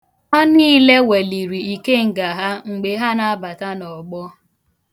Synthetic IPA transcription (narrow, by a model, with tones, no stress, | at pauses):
ɔ˦niː˦le˦we˨li˨ɾi˨i˨ke˦ŋ̩˨ɡa˨ɦa˦ŋ͡m̩˨ɡ͡be˨ɦa˦na˨a˦ba˨ta˦nɔ˨ɡ͡bɔ˦